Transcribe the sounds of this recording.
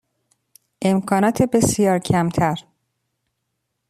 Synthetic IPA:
ʔe̞mkʰɒːnɒːt̪ʰebe̞sijɒːɾcʰæmt̪ʰæɾ

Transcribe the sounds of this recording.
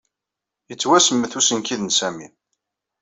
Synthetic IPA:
jət͡sːwæsəmːəθusənkiðnsæmi

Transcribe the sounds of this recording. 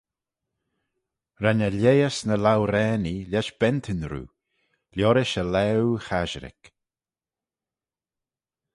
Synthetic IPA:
ɾanəlejəsnəlawɾɛːnilʲɛʃb̥ɛnt̪ʰɪnɾṵː | lʲjɔɾɪʃəlɛwxaʒɾɪ̰k

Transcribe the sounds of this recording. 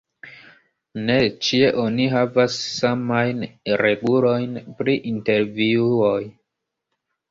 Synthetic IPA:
ne̞t͡ʃie̞ʔo̞niɦavasːamajnɾebulo̞jnpɾiʔinte̞ɾviuoj

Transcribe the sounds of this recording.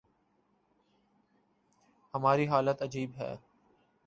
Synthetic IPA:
həmaːɾiɦaːlət̪əd͡ʒiːbɦɛ̰ː

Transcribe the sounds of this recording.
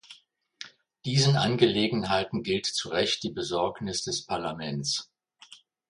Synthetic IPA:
d̥iːzənʔanɡəleːɡŋ̩ɦaɪtn̩ɡɪltt͡suʁɛçt̚d̥iːbəzɔɐknɪsd̥ɛspʰaɐlamɛnt͡s

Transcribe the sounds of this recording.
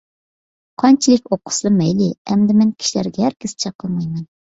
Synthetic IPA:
qʰɑnt͡ʃʰilˠɪkʲoqʰːʊ̥slˠɨmɛjlɪɛmd̪ɪmɛnkʲʰi̥ʃilæ̰ɾɡʲɛhæɾkʲɪst͡ʃʰɑqʰːəlˠmɑjmɛn

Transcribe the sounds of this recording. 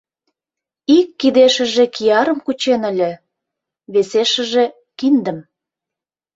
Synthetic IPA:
ikːid̪eʃə̆ʒĕkijɑɾə̆mkut͡ɕenə̆lʲĕ | βeseʃə̆ʒe | kind̪ə̆m

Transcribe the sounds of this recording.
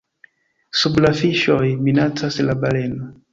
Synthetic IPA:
subulafiʃɔjminatʰasilabalɛna

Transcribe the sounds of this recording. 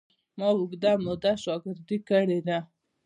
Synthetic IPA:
mɑwʊɡd̪amʊd̪aʃɑɡɪɾd̪ikəɽed̪a

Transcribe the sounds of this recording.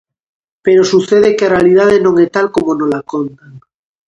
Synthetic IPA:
peɾo̞suθeð̞ekearealið̞að̞enõ̞ŋet̪alkomonolakont̪aŋ

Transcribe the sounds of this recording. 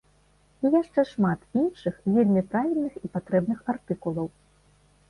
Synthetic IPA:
ijaʂt͡ʂɛʂmat̪inʂɨxvʲelʲmʲipɾavʲilʲnɨxipat̪ɾɛbnɨxart̪ɨkulˠɐw

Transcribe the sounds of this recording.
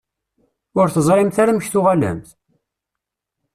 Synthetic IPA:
ʊɾθəzˤɾˤɪmθaɾaməçθʊʁalæ̰mθ

